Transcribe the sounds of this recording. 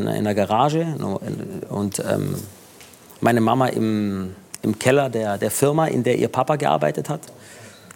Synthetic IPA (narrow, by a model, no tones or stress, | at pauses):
ʔɪ̰ndɐɡaʁaːʒə | ʊntʔɛ̰ːm | maɪnəmamaʔɪ̰m | ʔɪmkʰɛlɐdeːɐdeːɐfɪɐmaʔɪ̰ndeːɐʔiːɐpʰapaɡəʔa̰ɐba̰ɪtəthat